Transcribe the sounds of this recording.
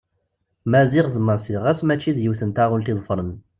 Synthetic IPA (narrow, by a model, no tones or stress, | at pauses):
mæziʁðmæsiʁæsmæt͡ʃːiðjəwθənt̪æʁult̪iðˤfɾən